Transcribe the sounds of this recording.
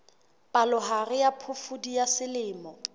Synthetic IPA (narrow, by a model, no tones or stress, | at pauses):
pʼalʊɦarɪjapʰʊfʊdijasɪlɪːmɔ